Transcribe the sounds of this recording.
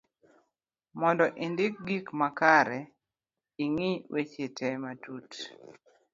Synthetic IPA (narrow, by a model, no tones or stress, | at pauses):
mɔndɔʔindɪk̚ɡikmakaɾɛ | iŋiwʔet͡ʃetʰɛmatut